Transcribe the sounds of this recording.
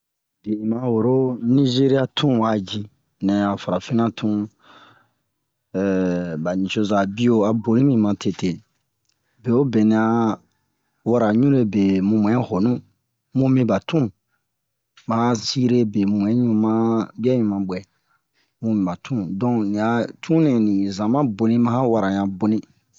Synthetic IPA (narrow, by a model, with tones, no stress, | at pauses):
be˨ĩ˨mã˧wo˨ɾo˦nĩ˦ʒe˦ɾi˦a˦tʰũ˦wa˨d͡ʒi˧ | nɛ̃˨a˨fa˨ɾa˨fi˦nã˦tʰũ˦ | ɛ˨ba˨ɲĩ˨so˧za˨bi˦o˦˧a˨bo˨lĩ˦mĩ˦˧mã˧tʰe˨te˨ | be˨o˦bɛ˨nĩ˧a˧ | wa˦ɾa˨ɲũ˦ɾe˦be˨mũ˧m˨ɛ̃˨˦ho˨nũ˦ | mũ˦mĩ˦ba˨tʰũ˦˨ | mã˦ha˦si˦ɾe˦be˨mũ˨m˨ɛ̃˨˦ɲũ˦mã˦bi˦a˦ɲũ˦˨mã˨bɛ˨ | mũ˦mĩ˨ba˨tʰũ˦dɔ̃˦nĩ˨a˨tʰũ˦nɛ̃˨nĩ˨zã˨mã˦bo˨nĩ˦mã˦ha˦wa˦ɾa˨ɲ˨ã˨bo˨nĩ˦